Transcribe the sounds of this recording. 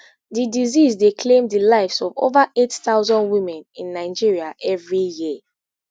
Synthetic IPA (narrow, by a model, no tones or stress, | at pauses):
didizizdekʰlẽmdilaɪfsɔvo̰vaʔetθaʊzɔ̃ndwĩmɛ̃nĩnːaɪd͡ʒiɹiaʔɛvɹiji